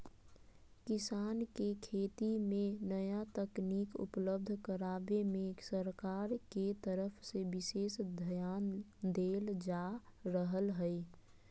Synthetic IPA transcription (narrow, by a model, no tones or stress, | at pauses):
kɪsaːnkekʰeːt̪imẽnəjat̪əkniːkʊ̰pləb̚d̪ʱkəɾaːbemẽsəɾkaːɾket̪əɾəpʰsebɪseːsd̪ʱəjaːnd̪eːld͡ʒaɾəɦəlɦəi